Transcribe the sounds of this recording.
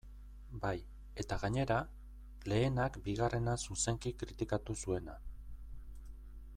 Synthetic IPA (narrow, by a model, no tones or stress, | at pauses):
baj | e̞t̪aɣaɲe̞ɾa | le̞ːnakbiɣ̞are̞nasuse̞ŋkikɾit̪ikat̪usue̞na